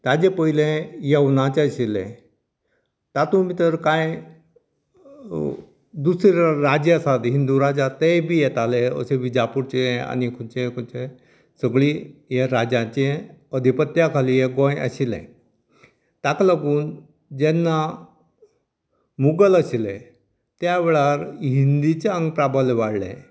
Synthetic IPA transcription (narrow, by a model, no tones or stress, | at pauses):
t̪ad͡ʑepəɦilẽjeʋnat͡ɕeəɕilḛ̃ | t̪at̪ũmit̪əɾkaj | d̪usɾiɾad͡ʑesad̪ɦind̪uɾad͡ʑat̪ebʱijɛt̪aleə̰seʋid͡ʑapuɾt͡ɕeẽa̰nikʰut͡ɕekʰut͡ɕe | səɡɭiːɦjeɾad͡ʑãt͡ɕeəd̪ʱipət̪ːjakʰalijeɡõjə̰ɕilɛ̰̃ | t̪akləɡuːn | d͡ʑɛnːa | muɡələɕilḛ̃ | t̪jaʋeɭaɾɦind̪it͡ɕeəŋɡ̚pɾabʱaleʋaɽlḛ̃